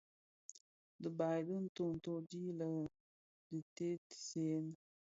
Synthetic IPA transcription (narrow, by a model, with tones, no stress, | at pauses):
də˨ba˨jdə˦n̩˦to˦n̩˨to˦d͡ʒi˦lə˨ | di˨te˦tse˦n˦